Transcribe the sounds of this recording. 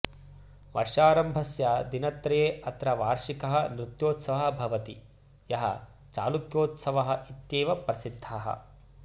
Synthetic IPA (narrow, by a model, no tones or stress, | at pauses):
ʋɐ̰ɾʂaːɾɐmbʱɐsjɐd̪inɐt̪ɾɐjeːɐt̪ɾɐʋaːɾʂikɐɦɐnɾut̪joːt̪sɐʋɐɦɐbʱɐʋɐt̪i | jɐɦɐ̰ | t͡ʃa̰ːlukjoːt̪sɐʋɐɦɐʔit̪jeːʋɐpɾɐsid̪ʱːaːɦɐ̰